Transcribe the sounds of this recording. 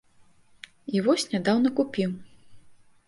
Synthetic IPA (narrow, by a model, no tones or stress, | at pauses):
ivɔsʲnʲad̪awnɐkupʲiw